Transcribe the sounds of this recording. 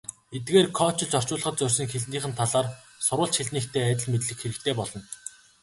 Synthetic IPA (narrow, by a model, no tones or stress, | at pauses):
et̪̚ɡeːrkʰɔːt͡ɕɪ̆ɮt͡ɕɔr̥t͡ɕʊːɮə̆χɞ̆t̪̚t͡sʊr̥ʲsɞ̆ŋxeɮniːχɘ̆nt̪ʰaɮaːr | sʊɾʊ̆ːɬt͡ɕxiɮniːkt̪ʰeːæt̪ʲɪ̆ɮmet̪ɮɘ̆kxeɾɘ̆kt̪ʰeːpɔɮɞ̆n